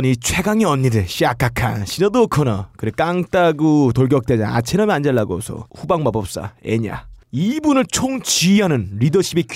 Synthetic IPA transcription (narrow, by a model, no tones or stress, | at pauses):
nit͡ɕʰwe̞ɡaŋiʌnːidɯɕ͈ʰiak͈akʰa̰nɕʰinʌdokʰʌnakɯɾek͈aŋt͈aɡutoɭɡjʌk̚t͈ed͡ʑaŋa̰t͡ɕʰenʌmiand͡ʑaɭːaɡo̰sʰʌ̰ɸubaŋmabʌp̚s͈a̰ḛɲa̰ibunɯɭt͡ɕʰoŋt͡ɕiɦanɯnɾidʌɕʰibek